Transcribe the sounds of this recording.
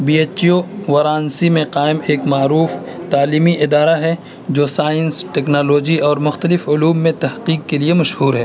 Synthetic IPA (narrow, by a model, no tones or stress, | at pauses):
biːeːt͡ʃoʋɐɾãːnsimẽqaːɪmeːkmaːɾuːf | t̪aːliːmiʔɪd̪aːɾaɦɛ | d͡ʒoːsaːɪ̃nsʈɛːknaːloːd͡ʒiɔːɾmʊxt̪əlɪfʊluːmːẽt̪ɐhqiːkːeliemɐʃhuːɾɦɛː